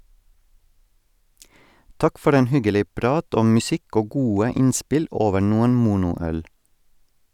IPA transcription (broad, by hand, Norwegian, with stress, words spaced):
ˈtɑk ˈfɔɾ ˈeːn ˈhʏɡəˌliː ˈpɾɑːt ˈɔm mʉˈsɪk ˈoː ˈɡuːə ˈɪnspɪl ˈoːʋə ˈnuːən ˈmuːnʊˌœɽ